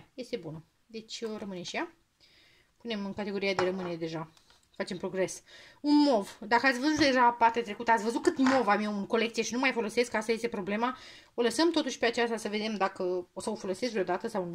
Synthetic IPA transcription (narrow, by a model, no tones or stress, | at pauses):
je̞st̪e̞bunə | d̪e̞t͡ʃʲoɾəmɨneʃija | pune̞mɨnkat̪e̞ɡo̞ɾiad̪e̞ɾəmɨneed̪e̞ʒa | fat͡ʃe̞mpɾo̞ɡɾe̞sunmo̞vd̪akəat̪sʲvəzut̪̚d̪e̞ʒapart̪eat̪ɾe̞kut̪əat̪sʲvəzut̪kɨt̪mo̞vamiewunko̞le̞kt̪sije̞ʃinumajfo̞lo̞se̞skəast̪aje̞st̪e̞pɾo̞blema | o̞ləsəmt̪o̞t̪uʃʲpeat͡ʃast̪asəve̞d̪e̞md̪akəosawofo̞lo̞seskvɾʲod̪at̪əsawn